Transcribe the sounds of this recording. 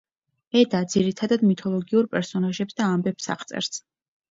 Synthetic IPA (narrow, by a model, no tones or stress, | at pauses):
ɛd̪ad̪z̥iɾit̪ʰad̪ad̪mit̪ʰɔlˠɔɡiuɾpʼɛɾsɔnaʒɛpsd̪aːmbɛpsa̰χt̪sʼɛ̰ɾs